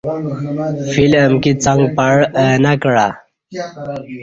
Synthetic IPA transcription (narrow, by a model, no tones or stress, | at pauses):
filəmkit͡saŋɡpaɽnakɽa